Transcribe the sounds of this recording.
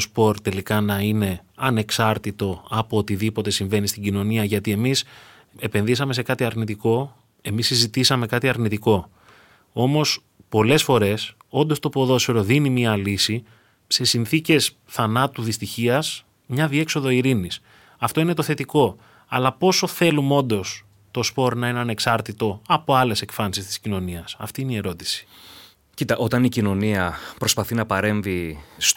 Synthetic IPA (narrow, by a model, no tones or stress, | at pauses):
ospo̞ɾt̪e̞likɐnɐine̞ɐne̞ksɐɾt̪it̪o̞ɐpoot̪iðipo̞t̪e̞siɱve̞nist̪iɟino̞niɐʝɐt̪ie̞mis | e̞pe̞nðisɐme̞se̞kɐt̪iɐɾnit̪iko̞ | e̞misizit̪isɐme̞kɐt̪iɐɾnit̪iko̞ | o̞mo̞s | po̞le̞sfo̞ɾe̞s | o̞nd̪o̞st̪o̞poðo̞siɾo̞ðinimiɐlisi | se̞sinθice̞s | θɐnɐt̪uðist̪içiɐs | mɲɐðie̞kso̞ðo̞iɾinis | ɐft̪o̞ine̞t̪o̞θe̞t̪iko̞ | ɐlɐpo̞so̞θe̞lumo̞nd̪o̞s | t̪o̞spo̞ɾnɐineɐne̞ksɐɾt̪it̪o̞ɐpo̞ɐle̞se̞kfɐnsist̪i̥scino̞niɐsɐ̰ft̪iineie̞ɾo̞t̪i̥si̥ | cit̪ɐʔo̞t̪ɐnicino̞niɐpɾo̞spɐθinɐpɐɾe̞ɱvis